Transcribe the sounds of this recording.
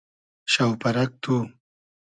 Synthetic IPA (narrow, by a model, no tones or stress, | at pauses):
ʃawpɐɾak̚t̪u